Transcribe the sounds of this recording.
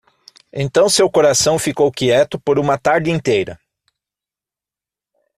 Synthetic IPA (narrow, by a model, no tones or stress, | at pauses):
ḛ̃nt̪ɐ̃w̃sewkoɾasɐ̃w̃fikowkiɛt̪ʊpoɾũmɐt̪aɾd͡ʒɪĩnt̪ejɾɐ̰